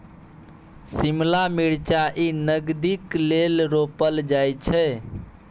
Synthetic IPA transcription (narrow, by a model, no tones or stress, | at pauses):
simlamiɽt͡ʃaʔinəɡd̪iklelɾopəld͡ʒajt͡ʃʰɛ